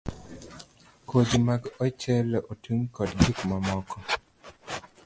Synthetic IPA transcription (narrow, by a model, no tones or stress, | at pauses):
kod͡ʒimaɡɔt͡ʃɛlʔotʰuŋkɔdɡikmamɔkʰɔ